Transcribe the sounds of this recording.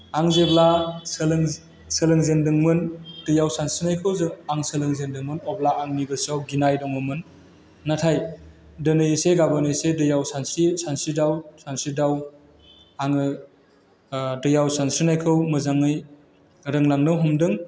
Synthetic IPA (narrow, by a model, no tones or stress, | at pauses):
aŋzeblasɯlŋ | sɯlɯŋzendɯŋmɯndɯjawsansinajkʰɯwzɯŋaŋsɯlɯŋzendɯŋmɯnɔblaaŋnibɯsawɡinajdɔŋɯmɯnː | atʰaj | dɯnɯjseɡabanɯjsedɯjawsansisansidawsansidaw | aŋɯ | dɯjawsansinajkʰɯwmɯzaŋɯj | ɾɯŋlaŋnɯɦɔmdɯŋ